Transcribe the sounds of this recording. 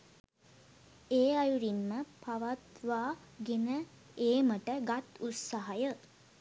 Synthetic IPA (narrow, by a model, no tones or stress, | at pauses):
eːajuɾinməpaʋat̪ʋaːɡenə | eːməʈəɡat̪ut̪saɦajə